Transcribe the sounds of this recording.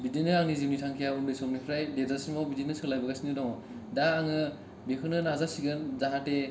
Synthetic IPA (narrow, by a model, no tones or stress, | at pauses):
bidinɯaŋnizimnitʰaŋkʰijaumdɯsɔmnipʰɾajdezasimɔbidinɯsɯlajbɐɡasinidɔŋ | daːŋɯ | bekʰɯnɯnazasiɡɯnzaɦate